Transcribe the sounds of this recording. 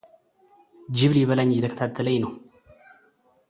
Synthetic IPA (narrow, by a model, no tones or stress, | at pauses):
d͡ʒɪβliβəlaɲːjɛt̪ʰəkʰə̥t̪ʰat̪ʰːələɲnəw